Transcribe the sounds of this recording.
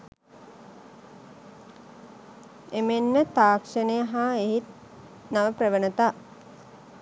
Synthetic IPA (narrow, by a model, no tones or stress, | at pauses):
emenːət̪aːkʂənəjəɦaːeɦit̪̚ | naʋəpɾəʋənət̪aː